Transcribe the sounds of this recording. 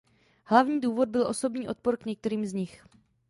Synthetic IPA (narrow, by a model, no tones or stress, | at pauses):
hlavɲiːduːvo̞d̚bɪlʔo̞so̞bɲiːʔo̞t̪̚po̞ɾkɲɛk̚t̪ɛɾiːmzɲɪx